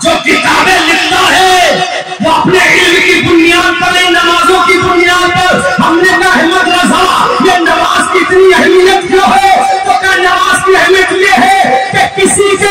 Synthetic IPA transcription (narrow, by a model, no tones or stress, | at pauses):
d͡ʒoːkɪt̪aːbẽlɪkʰt̪aɦɛ | ʋoɐpneɦɪllkid̪ʊnijaːd̪pɐɾẽnɐmaːzõkid̪ʊnijaːd̪̚pɐɾɦɐmnemaɦmət̪ɾɐd͡ʒʱajenɐmaːzkiɪt̪niəɦlijət̪̚joɦɛokanɐmaːzkiɛɦlekieɦɛkekɪsise